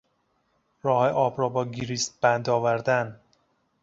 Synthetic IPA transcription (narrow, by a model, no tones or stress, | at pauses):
ɾɒːheʔɒːbɾɒːbɒːɡiɾiːst̪̚b̥ænd̪ɒːvæɾd̪æn